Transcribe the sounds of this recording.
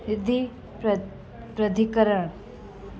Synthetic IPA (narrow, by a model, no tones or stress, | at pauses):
ɪd̪i | pɾəd̪ʱikəɾəɽ̃